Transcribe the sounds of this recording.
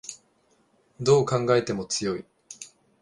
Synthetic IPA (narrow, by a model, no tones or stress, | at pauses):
d̪o̞ːkãŋɡae̞t̪e̞mo̞t͡sɨjo̞i